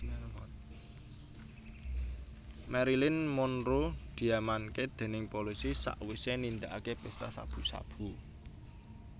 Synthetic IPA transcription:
mɛɾilɪnmʊnɾod̪̥i̤amanked̪̥e̤nɪŋpolisisa̰ʔwisenind̪aʔakepest̪asa̰b̥ṳsa̰b̥ṳ

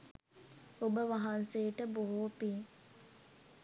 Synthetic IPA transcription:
obəʋaɦanseːʈəboɦopiː

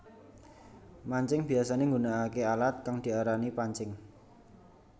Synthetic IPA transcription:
maɲt͡ʃɪŋb̥i̤asaneŋɡunaːkealat̪̚kaŋd̪̥i̤aɾanipaɲt͡ʃɪŋ

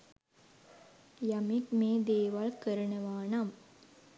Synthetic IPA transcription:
jamikmeːd̪eːʋalkəɾənəʋaːnɐm

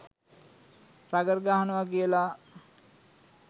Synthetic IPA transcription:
raɡərɡaːɦanəʋaɡijəla

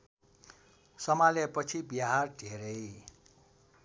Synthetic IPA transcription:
sʌmaljepʌt͡sʰibjaɦarɖʱeɾʌj

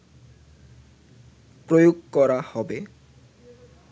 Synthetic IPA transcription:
pɾojoɡ̚kɔɾahɔbe

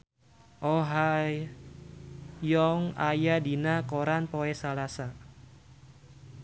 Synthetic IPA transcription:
ʔɔɦa | jɔŋa̰jadinakoɾanpoɛsalasa

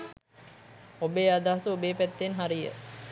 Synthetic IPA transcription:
obeːad̪aɦasuobeːpæt̪ːenɦaɾijə̰

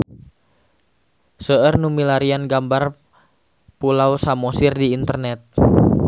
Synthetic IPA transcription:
səərnumilaɾianɡambar | pulausamɔsirdiːnt̪ərnɛt̪̚

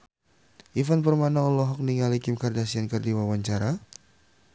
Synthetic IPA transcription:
ʔifanpərmanalɔɦɔk̚niŋalikɪmkardasiankərdiwawaɲt͡ʃaɾa

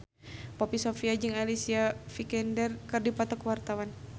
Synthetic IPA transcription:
pɔpisɔfiad͡ʒɨŋalisiafikɛndɛrkɨrdipat̪ɔkwart̪awan

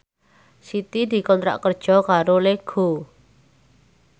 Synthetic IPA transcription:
sit̪id̪̥i̤kɔnt̪ɾa̰ʔkərd̥ʒ̥ɔ̤kaɾoleɡ̥o

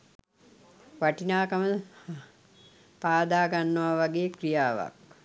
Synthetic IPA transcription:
ʋaʈinaːkamə | paːd̪aːɡanːəʋaʋaɡeːkrijaːʋa̰k̚

